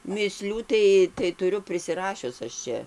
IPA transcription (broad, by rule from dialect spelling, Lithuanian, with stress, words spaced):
mʲiːˈsʲlʲuː tɐɪ tɐɪ tʊˈrʲʊ pʲrʲɪsʲɪˈrɑːʃʲʊs ɐʃ ˈt͡ʃʲɛ